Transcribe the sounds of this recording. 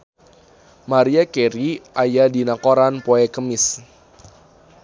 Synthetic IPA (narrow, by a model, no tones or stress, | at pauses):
maɾiakeɾiʔajadinakoɾanpoɛkəmɪs